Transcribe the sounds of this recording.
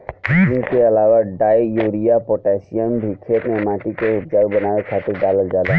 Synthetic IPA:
ɪnkeəlaːwaɖaːjjoɾijapoʈɛsijəmbʱikʰet̪memãːʈikeʊp̚d͡ʒaɡbənaːwekʰaːt̪ɪɾdaləɡd͡ʒaːd̪a

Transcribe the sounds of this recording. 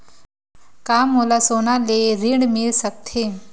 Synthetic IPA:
kaːmːolasoːnaleɾiɽmɪlsək̚t̪ʰe

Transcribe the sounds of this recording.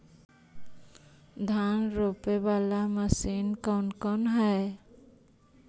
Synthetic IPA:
d̪ʱanɾopebalaməsinkɔnkɔnɦɛe

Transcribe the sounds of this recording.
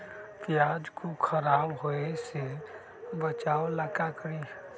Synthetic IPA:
pjaːd͡ʒkokʰəɾaːbɦoese | bət͡ʃaːoləkakəɾi

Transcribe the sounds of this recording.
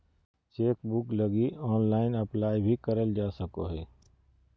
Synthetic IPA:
t͡ʃeːkbʊkləɡiɔːnlaːɪnɐplaːjbʱikəɾəld͡ʒaːsəkoɦeː

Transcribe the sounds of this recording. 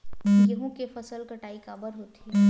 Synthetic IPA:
jɐɦõkefɐsəlkɐʈaːikaːbəɾɦoːt̪i

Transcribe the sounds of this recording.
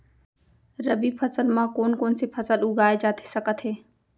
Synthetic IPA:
ɾəbipʰɐsəlmãkoːnkoːnsepʰɐsəlʊɡaːed͡ʒaːt̪ʰe̥sɐkət̪ɦeː

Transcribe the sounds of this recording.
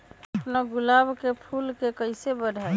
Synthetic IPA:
əpnaɡʊlabkepʰulkekəɪsebəɖʱa

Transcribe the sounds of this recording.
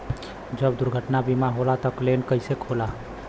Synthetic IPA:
d͡ʒəbd̪uɾɡʱəʈnabimaɦolat̪əklenkəɪsekʰola

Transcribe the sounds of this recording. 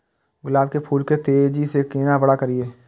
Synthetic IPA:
ɡʊlaːb̚kepʰuːlket̪eːd͡ʒisekɪːnabəɽakəɾieː

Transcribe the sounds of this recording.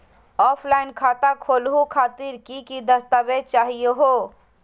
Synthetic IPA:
ɔːpʰlaːɪnkʰaːt̪akʰoːlɦukʰaːt̪iɾkikid̪əst̪aːbet͡ʃaːɦijeɦoː

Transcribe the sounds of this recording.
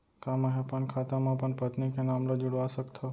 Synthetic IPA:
kamaɦepənkʰat̪amãpəɳpət̪nikenamlod͡ʒuɽʋasəkt̪ʰəo

